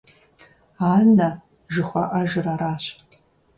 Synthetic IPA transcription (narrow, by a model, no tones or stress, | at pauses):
aːnɐ | ʒɨχʷɐ̰ʔɐʒɨraɾaːɕ